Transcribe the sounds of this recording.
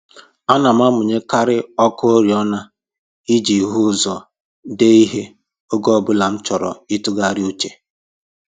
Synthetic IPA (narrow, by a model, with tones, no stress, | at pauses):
a˦na˨m˦a˦mʊ˨ɲe˦ka˦ɾɪ˦ɔ˦kɔ˦o˦ɾi˨ɔ˦na˦ | i˦d͡ʒi˨ɦu˦zɔ˨ | de˦i˦ɦe˦ | o˦ɡɔ˦bʊ˦la˨n̩˦t͡ʃɔ˨ɾɔ̰˨i˦tʊ˦ɡa˦˨ɾɪ˦u˦t͡ʃe˨